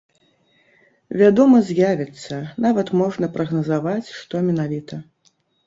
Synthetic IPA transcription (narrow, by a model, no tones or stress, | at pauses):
vʲad̪ɔmɐzʲjavʲɛt̪sːɐnavɐt̪mɔʐnɐpɾɐɣnɐzavat͡sʲʂt̪ɔmʲɛnavʲit̪ɐ